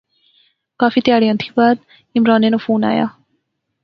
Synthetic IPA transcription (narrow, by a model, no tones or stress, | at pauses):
kaːfit̪jaːɽijãnt̪ʰibad̪ | imɾaːnenofuːna̰ːja̰